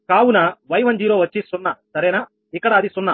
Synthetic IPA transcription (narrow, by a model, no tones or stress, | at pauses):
kaːwunɐʋɐjʋɐɲd͡ʒiːɾoːʋɐt͡ʃːisunːɐsɐɾeːnɐ | ikːɐɽɐːd̪isunːɐ